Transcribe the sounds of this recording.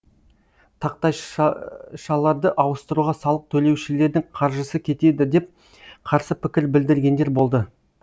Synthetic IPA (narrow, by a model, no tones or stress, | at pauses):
t̪ʰɑq̚t̪ɑj | ʃɑlˠɑɾd̪əʔɑwəst̪əɾuʁɑsɑlˠəq̚t̪ʰɵle̞wʃɪle̞ɾd̪ɪŋqʰɑɾʒəsəkʲʰe̞t̪e̞d̪ɪd̪e̞p̚ | qʰɑɾsəpʰɪkʲɪɾbɪld̪ɪɾɡʲe̞nd̪e̞ɾbo̞lˠd̪ə